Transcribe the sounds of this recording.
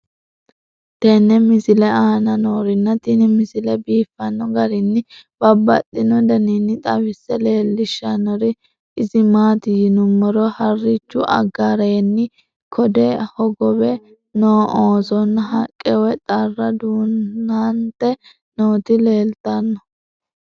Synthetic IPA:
t̪ɛnːɛmɪsɪlɛaːnɐnoːɾɪnːɐt̪ɪnɪmɪsɪlɛbiːfːɐnːɔɡɐɾɪnːɪb̥ɐbːɐ̰t̪ːɪnɔd̪ɐninːɪt̪ʼɐwɪsːɛle̞ːlːɪʃːɐnɔɾɪ | ɪzɪmaːt̪ɪjɪnʊmːɔɾɔhɐrːɪt͡ʃːʊʔɐ̰ɡaɾɐnːɪ | kʰɔd̪ɛhɔɡɔbɛ | noːʔoːsɔnːɦɐkʼːɛwɛt̪ʼɐrːɐd̪uːnːant̪ɛ | noːt̪ɪle̞ːlt̪ɐnːɔ

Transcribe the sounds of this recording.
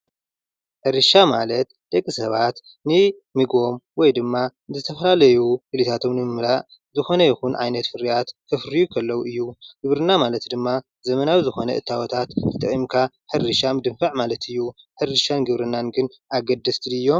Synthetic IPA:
ħɨɾɨʃamalɐt̪d̪̥ɐkʼːisɐβat̪ | nɨ | mɨɡo̞mwɔjd̪ɨmːanzɨt̪ʰɐfɐlalɐjukɨlit̪ʰat̪ʰo̞mnɨmɨmɾaʔ | zɨxo̞nɐjixunʕa̰jnɐt̪fɨɾijat̪kʰːɐfɾijukʰɐlːɐwuʔɨjːuɡ̥ɨβɾɨnːamalɐt̪d̪ɨmːa | zɐmɐnawizɨxo̞nɐ̰ʔɨ̰t̪ʰːawɔt̪ʰat̪t̪ʰɨt̪ʼɨʔʼimkʰa | ħɨɾɨʃamɨd̪ɨɱfɐʕmalɐt̪ʰɨjːu | ħɨrɨʃanɡɨβɾɨnːanɡɨn | aɡɐd̪ːɐst̪ʰilɨjːo̞

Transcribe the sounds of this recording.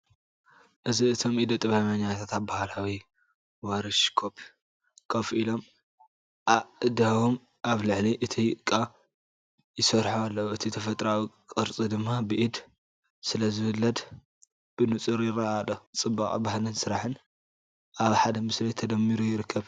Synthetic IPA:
ʔɨziɨt̪ʰo̞mʔid̪ot̪ʼɐβamaɲat̪ʰat̪abahlawi | wɐɾɨʃkʰop | kʰɐfʔilo̞m | ʔaɨd̪awom | ʔaβlɨʕliʔɨt̪ʰijkʼːa | jɪsɐɾħualːɐwɨt̪ʰit̪ʰɐfɐt̪ʼɾawikʼɨɾt͡sʼid̪ɨmːabɨʔid̪ | sɨlɐzɨhɨlːɐd̪ | b̥ɨnɨt͡sʼɨɾjɪraʔalot͡sʼɨbːakʼbahlɨnsɨɾaħɨn | ʔaβħad̪ɐmɨslɐjt̪ʰɐd̪ɐmːiɾujɪɾɨkʰːɐβ

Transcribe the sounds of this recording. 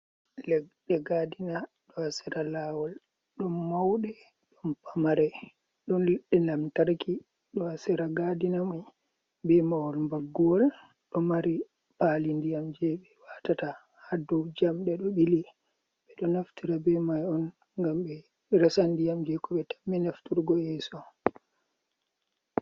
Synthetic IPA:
lɛɗɛɡadina | ɗɔhasɛɾalawɔl | ɗɔnmawɗɛ | ɗɔnpamaɾɛ | ɗɔnɗɛnlamtaɾki | ɗɔasɛɾaɡadinamaj | bɛmawɔlmbaɡːɔl | ɗɔmaɾi | palindijamd͡ʒɛɓɛwatata | hadɔwd͡ʒamɗɛɗɔɓili | ɓɛɗɔnaftiɾabɛmajɔn | ŋɡamɓɛ | ɾɛsandijamd͡ʒɛkɔɓɛtḁmːɛnaftuɾɡɔjɛsɔ

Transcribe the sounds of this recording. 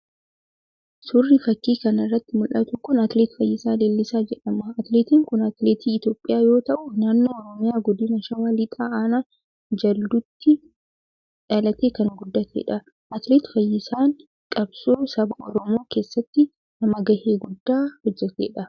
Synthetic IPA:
sʊrːɪfɐkːiːkɐnɪrːɐt̪ːɪmʊlʔɐt̪ʊkʊnɐt̪ɪleːt̪fɐjːɪsaːd̪eːlːɪsaːd͡ʒɛᶑɐmɐɐt̪ɪleːt̪iːŋkʊnɐt̪leːt̪iːɪt̪jo̞ːpʼːɪjaːjo̞ːt̪ɐʔʊnaːnːoːɾɔmɪjaːɡɔd̪ɪnɐʃɐwalɪt̪ʼaːʔaːnaː | d͡ʒɐld̪ʊt̪ːɪ | ᶑɐlɐt̪eːkɐŋɡʊd̪ːɐt̪ʰḛːᶑɐ | ɐt̪leːt̪fɐjːɪsaːŋ | kʼɐbsoːsɐbɐʔɔɾɔmo̞ːke̞ːsːɐt̪ːɪ | nɐmɐɡɐheːɡʊd̪ːaːhɔd͡ʒːɐt̪ḛːᶑɐ

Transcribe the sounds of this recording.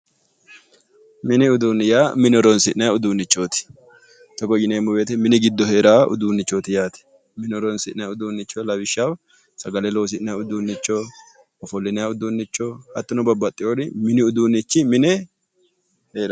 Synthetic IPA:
mɪnɪʊd̪uːnɪjaːmɪnɔɾɔnsɪʔnɐjʊd̪uːnːɪt͡ʃːo̞ːt̪ɪ̥ | t̪ɐɡɔd͡ʒɪneːmːʊbeːt̪ɛmɪnɪɡɪd̪ːɔhe̞ːɾaːʔʊ̰d̪uːnːɪt͡ʃːoːt̪ɪjaːt̪ɛ̥ | mɪnɔɾɔnsɪʔnɐjaʊd̪uːnːɪt͡ʃːolɐbɪʃːaw | sɐɡɐlɛloːs̬ɪʔnɐjʊd̪unːɪt͡ʃːo | ɔfɔlːɪnɐjɐʊd̪unːɪt͡ʃːɔhɐt̪ːʊnɔbɐbːɐt̪ʼːɪjoɾɪmɪnɪʊd̪uːnːɪt͡ʃːɪmɪnɛ | heːɾa

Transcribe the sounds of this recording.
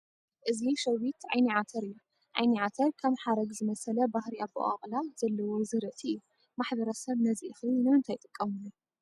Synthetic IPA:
ʔɨziʃɐwit̪ʕajniʕat̪ʰɐɾɨjːu | ʕa̰jniʕat̪ʰɐɾkʰɐmħaɾɐɡzɨmɐsɐlɐbahɾiabṵʔa̰χʼlaz̥ɐlːɐwozɨɾɨt̪ʰʼiɨjːu | maħbɐɾɐsɐβnɐziʔɨxɨnɨmɨnt̪ʰajt̪ʼɨkʼːɐmɨnu

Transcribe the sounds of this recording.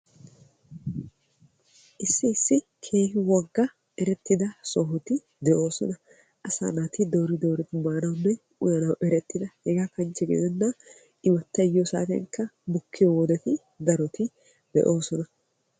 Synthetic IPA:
ʔɪsːɪːsːɪ | kʰeːhɪwɐɡːɐ | ɛɾɛt̪ːɪd̪ɐsɔɦɔt̪ɪ | d̪ɛʔo̞ːsɔ̰nɐ | ʔɐsa̰ːnɐt̪ɪd̪oːɾɪd̪o̞ːɾɪt̪ɪmaːnɐwnːɛ | ʊjɐnɐwʔɛɾɛt̪ːɪd̪ɐhɛɡaːkɐnt͡ʃːɛɡḛd̪ɛnːɐ | ɪmɐt̪ːɐjosa̰ːt̪ɛ̰ŋkːɐbʊkʰːɪjowɔd̪ɛt̪ɪ | d̪ɐɾɔt̪ɪ | d̪̥ɛ̰ʔo̞ːsɔnɐ

